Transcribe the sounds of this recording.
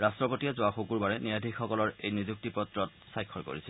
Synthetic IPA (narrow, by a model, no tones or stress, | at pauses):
ɹastɹɔpotiazoaxokuɹbaɹɛnijadʱikxɔkɔlɔɹejnizuk̚tipɹɔtɹɔt̚sajkʰːɔɹko̰ɹisʰɛl